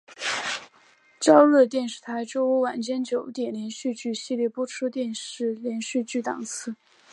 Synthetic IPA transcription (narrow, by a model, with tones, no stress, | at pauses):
t͡ɕjɑ˥ʊlɤ˥˧t̪jɛ˥˧nʂɻ̩˥˩t̪ʰa˧˥ɪʈ͡ʂo˥ʊu˧˥wa˨˩nt͡ɕjɛ˥nt͡ɕjo˨˧˩ʊt̪jɛ˨˩nljɛ˧˥nɕy˥˧t͡ɕy˥˩ɕi˥˧ljɛ˥˩pɔ˥ʈ͡ʂʰu˥t̪jɛ˥˧nʂɻ̩˥˩ljɛ˧˥nɕy˥˧t͡ɕy˥˩t̪ɑ̰˨˩ŋsʰɹ̩˥˩